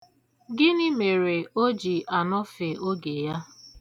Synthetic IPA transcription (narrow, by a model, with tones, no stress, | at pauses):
ɡɪ˦nɪ˦me˨ɾe˨o˦d͡ʒi˨ʔa˨nɔ˦fe˨o˦ɡe˨ja˦